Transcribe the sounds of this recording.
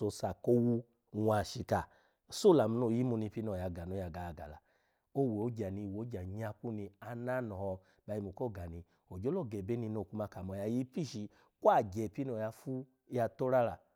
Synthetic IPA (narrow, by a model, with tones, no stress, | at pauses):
o˧sa˨ko˦wu˧ | wʷa˨ʃi˧˨ka˨ | so˦˨la˨mu˧no˦˨ji˦mu˧nĩ˧pi˦n˦ɔ˨ja˧ɡa˨no˨˦ja˧˨ɡa˨a˧˨ɡa̰˨la̰˨ | o˦˨we˨o˨˦d͡ʒa˨ni˧˨wo˨˦d͡ʒa˨ɲa˧ku˦nĩ˧a˧˦na˦nɔ˨hɔ˧ | ba˧˦i˧mu˨ko˦˨ɡa˨nĩ˧ | o˨d͡ʒo˨˦lɔ˦˨ɡɛ˨be˦ni˧no˧˨ku˧˦ma˧ka˨mɔ˨˧˨ja˧ji˦pi˦˨ʃi˧˦ | kwa˦˨d͡ʒɛ˨pi˦nɔ˧˨ja˧fu˦ | ja˧to˦ɾa˦ɾa˨